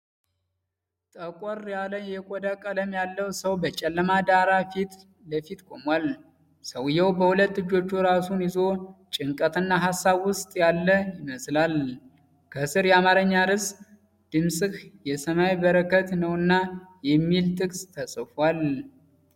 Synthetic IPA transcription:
t̪ʼəkʼɔɾjaləjɛkʷʼod̪akʼələmjalːəwsəwbət͡ʃʼɛlːəmad̪aɾafit̪ | ləfit̪kʰʼo̞mwal | səwɨjːɛwbəhulət̪ːɨd͡ʒːo̞t͡ʃːuɾasunjɪzo̞t͡ʃʼɪŋkʼət̪ɨnːaɦasːaβwʊst̪ʼjalːəjɪməslal | kʰəsɨɾjɛamaɾəɲːadɨs | d̪̥ɨmsʼɨkjɛsəmajbəɾəkʰət̪nəwɨnːajɛmːilt̪ʰʼɨkʼst̪ʰəsʼɨfwal

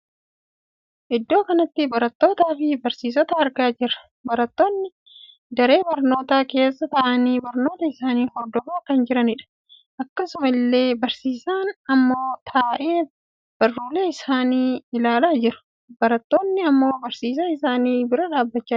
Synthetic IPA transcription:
ʔɪd̪ːo̞ːkɐnɐt̪ːɪbɐɾɐt̪ːo̞ːt̪aːfɪbɐɾsiːs̬ɔt̪ɐɐɾɡaːd͡ʒɪɾɐ̥ | bɐɾɐt̪ːo̞ːnːɪ | d̪ɐɾe̞ːbɐɾno̞ːt̪aːke̞ːsːɐt̪ɐʔɐniːbɐɾno̞ːt̪ɐɪsaːniːhɔɾd̪ɔfaːkɐnd͡ʒɪɾɐnɪᶑɐ̥ | ʔɐkːɐsʊmɐɪlːe̞ːbɐɾsiːsaːnɐmːo̞ːt̪ʰaːʔe̞ː | b̥ɐrːuːle̞ːɪsaːniːɪlaːlaːd͡ʒɪɾʊ̥ | bɐɾɐt̪ːo̞ːnːɪɐmːo̞ːbɐɾsiːs̬aɪsaːniːbɪɾɐᶑaːbːɐt͡ʃːaː

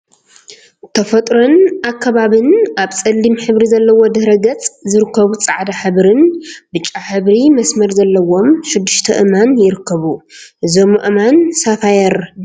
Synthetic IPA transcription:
t̪ʰɐfɐt̪ʼɾonakːɐβaβɨnaβt͡sʼɐlːimħɨβɾizɐlːɐwo̞d̪ɨhɾɐɡɐt͡sʼzɨɾɨkːɐβut͡sʼaʕd̪aħɨβɾɨnbɨt͡ʃʼːaħɨβɾimɐsmɐɾzɐlːɐwo̞mʃɪd̪ːuʃt̪ʰɐʔɨmanjɪɾɨkʰːɐβuʔɨzo̞mʔɨmansafajɐɾ

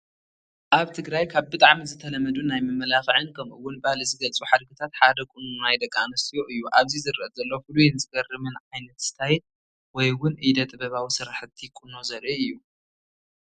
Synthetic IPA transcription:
ʔaβt̪ʰɨɡɾajkʰaβbɨt̪ʼaʕmizɨt̪ʰɐlɐmɐd̪unajmɐmːɐlaxɨʕɨnkʰɐmʔɨwːʊnbahalɨzɨɡɐlt͡sʼuħad̪ɡɨt̪ʰat̪ħad̪ɐkʼununajd̪ɐkʼːanɐst̪ʰijoʔɨjːuʔaβzizɨɾɨʔɐzɐlːofɨlujenzɨɡɐrɨmɨnʕajnɐt̪st̪ʰajɛt̪ | wɔjwʊnʔid̪ɐt̪ʼɨbɐβawisɨɾaħɨt̪ʰːikʼunozɐɾʔiɨjːu

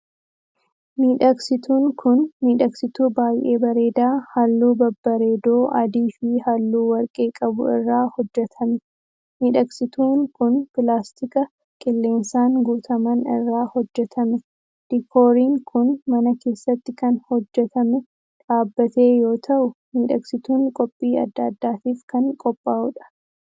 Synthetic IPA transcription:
miːᶑɐksɪt̪uːŋkʰʊnmiːᶑɐksɪt̪uːbaːjʔeːbɐɾe̞ːd̪aːhɐlːuːbɐbːɐɾe̞ːd̪oːʔɐd̪iːfɪhɐlːuːwɐɾkʼeːkʼɐbʊɪ̰rːaːhɔd͡ʒːɛt̪ʰɐmɛ | miːᶑɐksɪt̪uːŋkʊnpɪlaːst̪ɪkɐ | kʼɪlːe̞ːnsaːŋɡuːt̪ʰɐmɐnɪ̰rːaːhɔd͡ʒːɛt̪ʰɐmɛ | d̪̥ɪkʰo̞ːɾiːŋkʰʊnmɐnɐke̞ːsːɐt̪ːɪkɐnhɔd͡ʒːɛt̪ɐmɛ | ᶑaːbːɐt̪e̞ːjo̞ːt̪ʰɐʔʊmiːᶑɐksɪt̪uːŋkʼɔpʼːiːɐ̰d̪ːɐːd̪ːaːt̪iːfkɐŋkʼɔpʼːaːʔʊᶑɐ̥

